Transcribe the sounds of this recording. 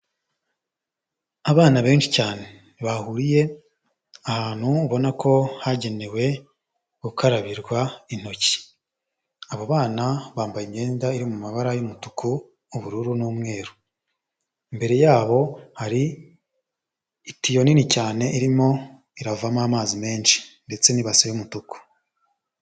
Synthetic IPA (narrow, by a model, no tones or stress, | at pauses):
aβaːnaβe̞ːnʃi̥caːne̞ | βahuɾije̞ | ahaːn̥huːβo̞nakʰo̞haɟe̞ne̞we̞ | ɡ̥ukaɾaβiɾɡwain̥o̞ci̥ | aβoβaːnaβaːmbajimɲe̞ːndaiɾimumaβaɾajomutukʰuː | βuɾuɾunuːmŋe̞ːɾu̥ | imbe̞ɾe̞jaːβo̞haɾi | tijo̞ninicaːne̞ʔiɾimo̞ | iɾavamaːmaːzime̞ːnʃi̥nde̞t͡se̞niβasiβumutuku̥